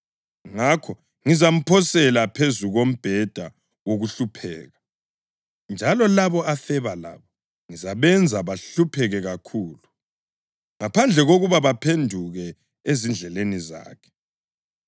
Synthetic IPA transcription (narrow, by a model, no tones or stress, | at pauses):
ŋakʰɔ | ŋizam̩pʰɔsɛlapʰezuɣom̩b̥ʱɛd̥ʱa | woɣuɬupʰɛ̰ːɣa | nd͡ʒʱalɔlaβɔafɛβala̰ːβɔ | ŋizaβɛnd͡zʱaβaɬupʰɛɣɛɣakʰuːlu | ŋapʰand͡ɮʱɛɣoɣuβaβapʰendʱuɣɛ | ezind͡ɮʱɛleniza̰ːkʰɛ̥